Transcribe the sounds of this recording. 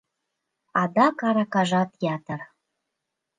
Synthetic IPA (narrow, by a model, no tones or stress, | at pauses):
ɑd̪ɑkɑɾɑkɑʒɑt̪jɑt̪ər